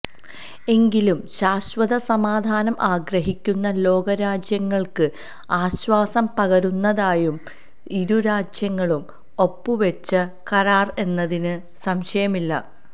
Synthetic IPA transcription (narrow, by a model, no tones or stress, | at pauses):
e̞ŋɡilumɕaːɕʋɐðɐsɐmaːd̪ʱaːnɐmʔaːɡɾɐɦikʲːunːɐlo̞ːɡɐɾaːd͡ʑjɐŋːɐɭkɨ | aːɕʋaːsɐmpɐɣɐɾunːɐðaːjum | iɾuɾaːd͡ʑjɐŋːɐɭum | o̞pːɨʋet͡ɕːɐ | kɐɾaːre̞nːɐðinɨ | sɐmɕɐjɐmilːɐ